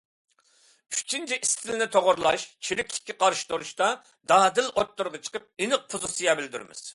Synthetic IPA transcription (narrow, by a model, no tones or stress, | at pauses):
y̥t͡ʃʰint͡ʃʰiʔist̪ʰɪlnɪt̪ʰoʁʊɾlˠɑʃt͡ʃʰiɾɪkʲlɪ̥kʲːiqʰɑɾʃi̥t̪oɾuʃt̪ɑ | d̪ɑːd̪ɪlʔot̪ːuɾʁɑt͡ʃʰə̥qəp̚enɨq̚pʰuzɨsɨjɑbɪld̪yɾɪ̰mɪ̰z̥